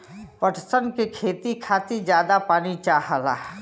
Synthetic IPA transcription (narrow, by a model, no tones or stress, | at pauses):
pəʈʰsənkekʰeːt̪ikʰaːt̪id͡ʒjaːd̪apaːnit͡ʃaːɦəla̰